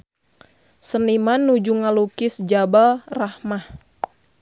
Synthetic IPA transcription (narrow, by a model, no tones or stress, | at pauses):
sənimanːud͡ʒuŋalukɪsd͡ʒabalrahmah